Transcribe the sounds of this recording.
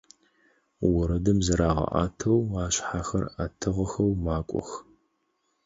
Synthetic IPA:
wʊɾɐdɐmzɨɾaːʁɐ̰ʔa̰ːtʰɐwaːɕħaxɐ̰ratʰɨʁɐxɐwmaːkʷʼɔ̰x

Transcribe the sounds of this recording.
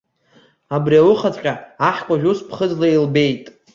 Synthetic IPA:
abriawʊχat͡sʼkʲʼaaħkʷʼaʒᶣuspʰχəd͡zlailbe̞jtʼ

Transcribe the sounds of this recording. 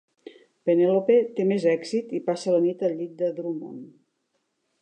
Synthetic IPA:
penelopet̪emezɛksit̪ipasələnit̪əlʎit̪̚d̪əðɾumo̰n

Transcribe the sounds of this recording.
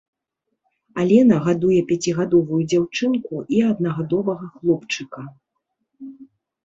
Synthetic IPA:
alʲɛnɐɣad̪ujɛpʲat͡sʲiɣad̪ɔvujud͡zʲawt͡ʂɨnkuʔiɐd̪̚nɐɣad̪ɔvɐɣɐxlˠɔpt͡ʂɨkɐ

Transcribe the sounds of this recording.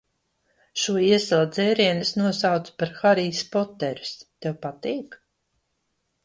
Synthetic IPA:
ʃuɔiɛsɛlˠad̪zɛːɾiɛnɨsnuɔsawt̪spaɾxaɾiːspɔt̪ːɛɾu̥st̪ewpat̪iːk

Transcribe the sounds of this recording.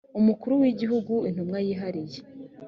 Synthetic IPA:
umukuɾuwiɟiɦuɡuin̥humŋajiːɦaɾije

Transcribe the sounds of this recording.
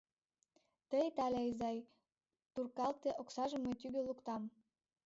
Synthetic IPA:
t̪əjt̪ɑlʲeizɑj | t̪urkɑlt̪eʔoksɑʒə̆met̪yɣølukt̪ɑm

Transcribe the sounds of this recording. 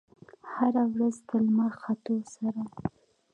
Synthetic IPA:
haɾawɾazd̪əlmaxat̪osaɾa

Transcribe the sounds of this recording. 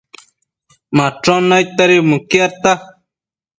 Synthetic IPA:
maʈ͡ʂonajt̪aɾimukiat̪a

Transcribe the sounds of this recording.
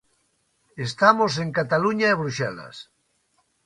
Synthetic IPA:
est̪amosẽŋkat̪aluɲaeβɾuʃela̰s

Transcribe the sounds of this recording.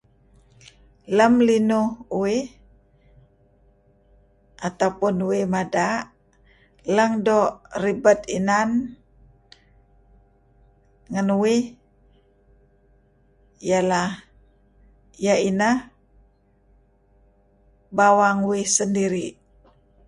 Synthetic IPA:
ləmlinuui | ʔat̪awpunuimadaʔ | ləŋdɔribət̪inan | ŋanuwi | jalah | jainah | bawaŋuwisəndiɾi

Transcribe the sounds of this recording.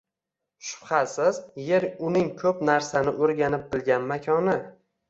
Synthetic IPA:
ʃʊ̥pχasɪzjeɾʊnɪŋkʲʰɵpnaɾsanɪʔoɾɡʲanɪp̚bɪlɡʲanmakʲʰɒnɪ

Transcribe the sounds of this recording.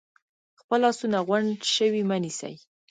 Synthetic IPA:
xpəlːɑsunaɣwaɳɖʃəwimənisa̰j

